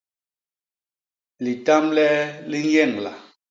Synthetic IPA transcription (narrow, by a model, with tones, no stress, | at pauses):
li˨ta˦mlɛ˦li˦ŋ˦jɛ˦˨ŋla̰˨